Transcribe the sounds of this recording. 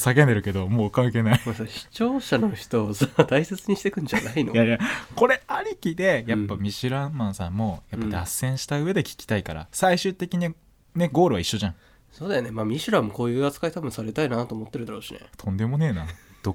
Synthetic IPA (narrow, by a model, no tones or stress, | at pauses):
sak̬ẽ̞nd̪e̞ɾɯ̟ke̞d̪o̞moːkãŋke̞ːnaimasaɕi̥t͡ɕo̞ːɕano̞çi̥t̪o̞ːsat̪aiset͡sɨɲ̟iɕi̥t̪e̞kɯ̟̃ɲ̟d͡ʑanainojajako̞ɾe̞aɾʲikʲid̪e̞japːamʲiɕiɾãmmãɰ̃sãmːo̞japːad̪asːẽ̞ɰ̃ɕi̥t̪aɯ̟e̞d̪e̞kʲi̥kʲi̥t̪aikaɾa̰saiɕɨːt̪e̞kʲiɲ̟ia | ne̞ɡo̞ːɾɯ̟βaiɕːo̞ʑãŋ | so̞ːd̪eonemaːmʲiɕiɾãmːoko̞ːjɯ̟ːat͡sɨ̥kait̪abɯ̟ɰ̃saɾe̞t̪ainat̪oːmo̞t̪ːeɾɯd̪aɾoːɕinḛt̪ʰõ̞nd̪e̞mo̞ne̞ːnãd̪̥o